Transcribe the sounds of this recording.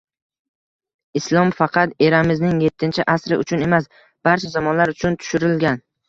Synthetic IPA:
ɪslˠɒmfɑqʰɑt̪e̞ɾamɪznɪŋje̞t̪ʰːɪnt͡ʃʰɪʔasɾɪ̰ʔʊ̰t͡ʃʰʊne̞mas | b̥aɾt͡ʃʰazamɒnlaɾʊt͡ʃʰʊnt̪ʰʊ̥ʃɪɾɪlɡʲan

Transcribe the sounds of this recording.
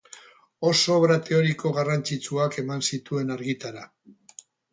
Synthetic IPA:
o̞so̞βɾat̪e̞o̞ɾiko̞ɣarant͡sit͡suake̞mansit̪ue̞naɾɣit̪aɾa

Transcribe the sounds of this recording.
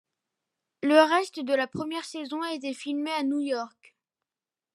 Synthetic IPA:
ləʁɛst̪əd̪əlapχəmjɛʁsezɔ̃et̪̬efilmeanujɔʁk

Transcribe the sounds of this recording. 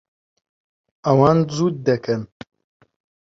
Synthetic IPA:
ɐwɑːnzuːd̪̚d̪ɐkʰɐn

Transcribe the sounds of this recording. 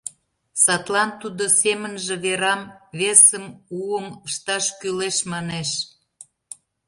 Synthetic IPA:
sɑt̪lɑnt̪ud̪osemənʒĕβeɾɑmβesəmuəməʃt̪ɑʃkyleʃmɑneʃ

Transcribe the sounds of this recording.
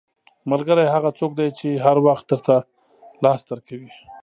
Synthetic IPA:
malɡəɾajɦaɣat͡sok̚d̪ajt͡ʃeɦaɾwaxt̪̚d̪əɾt̪a | lɑsd̪əɾkawi

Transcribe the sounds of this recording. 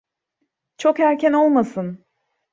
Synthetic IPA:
t͡ʃʰo̞khæɾcʰæno̞lˠmasɯn

